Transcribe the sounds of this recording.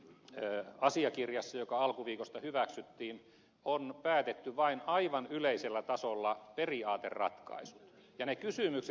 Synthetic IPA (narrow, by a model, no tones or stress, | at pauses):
ɑsiɑkirjɑsːɑjokɑɑlkuʋiːkost̪ɑhyʋæksyt̪ːiːn | onpæːt̪et̪ːyʋɑinɑiʋɑnyleiselːæt̪ɑsolːɑperiɑːt̪ḛrrɑ̰t̪kɑ̰isu̥t̪ | jɑnekysymykse